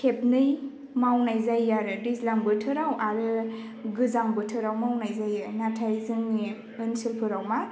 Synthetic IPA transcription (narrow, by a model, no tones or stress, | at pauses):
kʰep̚nɯj | mawnajzajːaɾɯdislaŋbɯtʰɯɾawaɾɯ | ɡɯzaŋbɯtʰɯɾawmawnajzajanatʰajzɯŋni | ɯnsilpʰɯɾawma